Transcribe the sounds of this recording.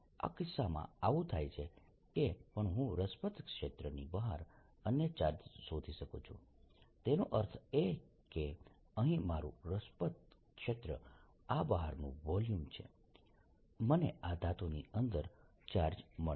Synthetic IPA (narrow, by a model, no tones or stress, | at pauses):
a̰kɪsːamã̰aʋũt̪ʰajt͡ʃʰe | kepəɳɦũɾəspət̪kʃet̪ɾənibəɦaɾ | ənjət͡ʃaɾd͡ʒsod̪ʱiʃəkot͡ʃʰũt̪enoʔəɾt̪ʰe | ke | əɦĩmaɾṵɾəspət̪̚kʂet̪ɾə̰ | abəɦaɾnṵ̃ʋɔljumt͡ʃʰḛ | mənead̪ʱat̪oniənd̪əɾ | t͡ʃaɾd͡ʒmə